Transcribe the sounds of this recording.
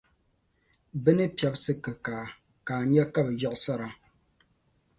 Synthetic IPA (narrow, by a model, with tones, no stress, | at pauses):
bɨ˦nɨ˦pi˨ɛ˨bsɨ˦kɨ˨kaː˨ | kaː˨ɲɛ˦ka˦bjɔ˦ʔsa˦ɾa˨